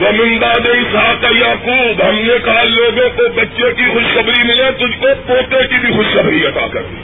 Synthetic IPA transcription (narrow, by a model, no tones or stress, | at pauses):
ʋɐmɪ̃nd̪ad̪eɪsɦaːkejaːkuːbɦɐmnekaɦaloːɡõkobɐtːʃekixʊʃkɐbɾimɪlẽt̪ʊd͡ʒʱkopoːt̪ekibʱixʊʃkɐbɾiɐt̪a̰kɐ̰ɾd̪iː